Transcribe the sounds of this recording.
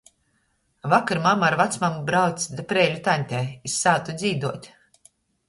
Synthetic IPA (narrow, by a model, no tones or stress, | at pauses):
vakaɾmamaaɾvat̪smambɾawt̪sd̪apɾɛːlʲut̪anʲt̪ʲɛːisːaːt̪ud̪zʲiːd̪uɔt̪ʲ